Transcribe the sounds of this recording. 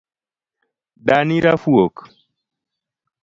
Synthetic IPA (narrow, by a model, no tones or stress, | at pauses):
ɗaniɾafuok